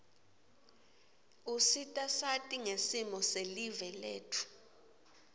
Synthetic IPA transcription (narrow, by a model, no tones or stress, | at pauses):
usitʼasatʼiŋesimɔselivɛlḛːtʰu̥